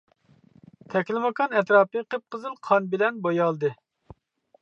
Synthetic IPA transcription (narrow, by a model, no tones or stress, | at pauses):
t̪ʰɛkʲlɪmɑkʰɑnɛt̪ɾɑːpɨqʰəp̚qʰəzɨlˠqʰɑnbɪlɛnbojɑlˠd̪ɨ